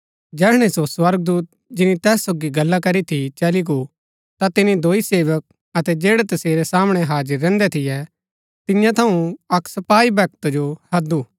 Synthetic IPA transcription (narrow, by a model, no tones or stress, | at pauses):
d͡ʒɛːɽ̃ẽsoswɐɾɡ̚d̪uːt̪̚d͡ʒɪnit̪ɛːsːoːɡiɡɐlːakɐɾit̪ʰit͡ʃɐliɡu | t̪at̪ɪnid̪oːiseːʋək̚ | ɐt̪ɛd͡ʒeːɽɛt̪ɐseːɾɛsaːmɽ̃ɛɦaːd͡ʒəɾːɛ̃ːnd̪ɛt̪ʰɪjɛ | t̪ɪjãt̪ʰɐũɐksɐpaːibʱɛk̚t̪od͡ʒohɐd̪uː